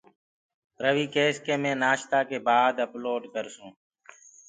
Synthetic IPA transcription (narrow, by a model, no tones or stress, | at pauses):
pɾəʋiːkeːskeːmẽːnaːʃt̪aːkeːbaːd̪əploːɖkəɾsũː